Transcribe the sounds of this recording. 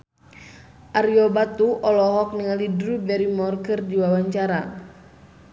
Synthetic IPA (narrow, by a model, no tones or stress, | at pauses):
ʔaɾiɔbat̪uʔɔlɔɦɔk̚niŋalidɾubɛɾimɔrkərdiwawaɲt͡ʃaɾa